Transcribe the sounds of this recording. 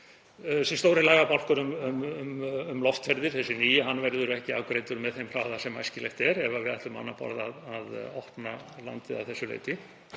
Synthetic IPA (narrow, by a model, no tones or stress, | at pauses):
sɛst̪owɾɪlaːɣapal̥kʏɾʏmʏmmʏmlɔft̪fɛɾðɪɾ̥θɛsːɪniːjɪɦanːvɛɾðʏɾɛhcɪawkɾejt̪ʏɾmɛðθejmr̥aːwðasɛmajscɪlḛht̪ɛɾɛvavɪðaht̪lʏma̰nːapɔ̰ɾðaðaðɔhpnala̰nt̪ɪða̰wθɛsːʏlḛːjt̪ɪ